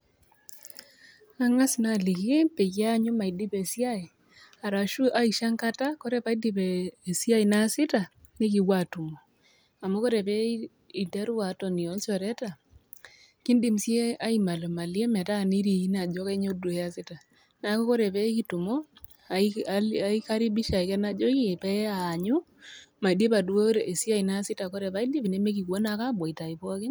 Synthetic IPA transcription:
a˦ŋa˦si˨na˨li˨ke˦pe˨ɣa˦ɲo˦ma˨i˨di˦pe˨si˦a˦e˨ | a˨ɾa˨ʃu˦ʔa˦i˨ʃa˦ŋka˦ta˦ko˦ɾe˦pa˨˦i˦di˦βeː˨sja˦i˨na˦sɪ˦ta˨ | ne˦ki˨wa˨tu˨mo˨ | a˨mo˦ko˦ɾe˨βɛ˦ | i˨da˦ɾwa˨tɔ˨ni˨ɔ˨t͡ʃɔ˨ɾɛ˦ta˨ | ki˦ndi˨msje˦a˦i˦ma˨lo˨ma˨lje˦mɛ˨ta˦˨ni˦ɾi˨i˦na˨d͡ʒɔ˦ke˦ɲo˦do˨e˦a˦sɪ˦ta˨ | na˨ko˦ko˦ɾe˨pɛ˦ki˦tu˨mo˦˨ | ai˦ka˦ɾi˦bi˦ʃa˨i˨kɛ˦na˦d͡ʒɔ˦ki˦˨pɛ˦aː˨ɲu˦ | ma˨i˨de˦pa˨du˦o˦ɾe˨e˨si˦a˦i˨na˦sɪ˦ta˨ko˦ɾe˨pa˦i˦di˦βi˨ne˦me˦k̬i˨kwo˦na˨ka˦bɔ˨i˨ta˨i˨pɔ˦kɪ˦

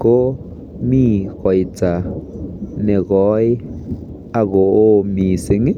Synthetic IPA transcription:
ko˦ | mĩː˦˨ko˨jt͡sa˨ | nẽ˨ɡɔ˨˦j | a˧ɡo˨ʔo˦˧mĩ˨se˧˨ŋi˦

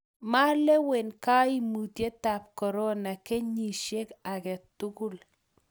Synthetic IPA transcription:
ma˦lɛ˦we˨nka˦i˦mu˨tje˦ta˨p̚kɔ˨ɾɔ˦na˨ke˦ɲi˨ʃe˦ka˨kɛ˨tu˦ku˦l

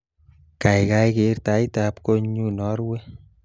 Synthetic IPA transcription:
ka˨jka˧jke˨rta˨˦itapko˦ɲu˦nɔ˦ɾwe˦

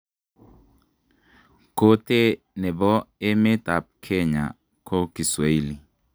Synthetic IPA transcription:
ko˦te˦ | nɛ˨bɔ˦e˦mɪ˦ta˨p̚kʰɛ˦ɲa̰˨ | kʰo˦ki˨swa˨i˦li˨

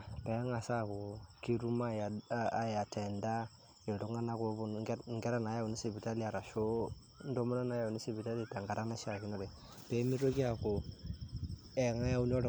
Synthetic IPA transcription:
pɛ˨˦ŋa˨sa˦˨ko˨ki˦ɾu˦ma˦a˨a˨ja˨tʰɛ˨nda˦ | e˨to˨˦ŋa˦na˦ko˦bu˦˨˦ŋɡɛ˦ɾa˦˨na˨˦ja˦˨u˨ni˦se˨bi˨ta˦li˦a˨ɾa˨ʃo˦ | n̩˦do˦mu˦na˦na˨˦ja˨u˨ni˦se˦˨bi˨ta˦li˨ta˨ŋɡa˨ɾa˦na˦ʃa˨ki˨nɔ˦ɾe˨ | pe˦mi˦ɾo˦ki˦a˨ko˨ | ɛ˨ŋa˦ja˦u˦n˦ɔ˦ɾ

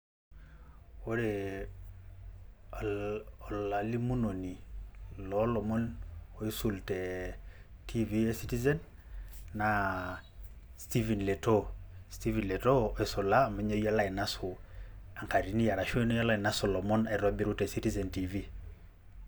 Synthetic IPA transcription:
o˦ɾe˨ | ɔ˨la˨li˦mu˦no˨ni˨lɔ˦lɔ˨mɔ˦no˦i˦su˨ltɛ˨ | tʰi˦vi˦e˦si˦ti˦zɛ˦nː | a˨ | sti˦vi˨nle˨to˦sti˦vi˨nle˨tɔ˦e˨so˨la˦˨me˦ɲo˦ja˦la˦ɛ˨na˦so˨a˨ŋka˨ɾi˨ni˦ja˨ɾa˨ʃwe˦no˦ja˦la˦ɛ˨na˦sɔ˨lɔ˨mɔ˦nɛ˨ɾɔ˦be˦ɾu˦tɛ˨si˦ti˦zɛ˨nti˨vi˦

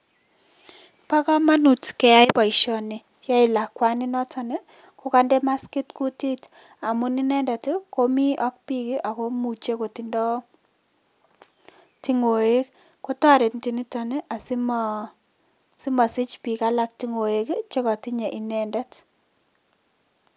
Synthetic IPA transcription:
pa˦kɔ˦ma˦nu˨tkɛ˨ja˦jpa˨iʃɔ˨ni˨ | ja˦i˨la˨kwa˦ni˦nɔ˦tʰɔ˨ne˦ | ko˦ka˦nde˦ma˦ski˦tku˦ti˦t | a˨mu˦ni˦nɛ˦nda˨tiko˦mi˦ɔ˦k̚pi˦ki˦ʔa˨ko˦mu˨t͡ʃe˦ko˨ti˨ndɔ˦ | ti˦ŋo˨e˦k | ko˦twa˦ɾe˨tnti˨ni˦ta˨ne˦ʔa˨sim | si˦ma˨si˦t͡ʃpi˨ka˦la˦k̚ti˦ŋo˨e˦kt͡ʃe˦kɔ˨ti˦ɲe˨ʔi˨nɛ˨nda˦t

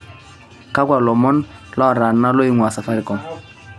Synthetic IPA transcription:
ka˦kwa˨lɔ˨mɔ˦nlɔ˦˨ɾa˨na˦lo˦i˦ŋwa˨sa˨fa˦ɾi˨kɔ˨ŋ

